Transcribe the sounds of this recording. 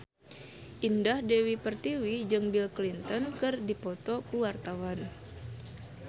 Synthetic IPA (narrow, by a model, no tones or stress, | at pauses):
ʔindahdewipərt̪iwid͡ʒɨŋbilklint̪ɔnkɨrdipɔt̪ɔkuwart̪awan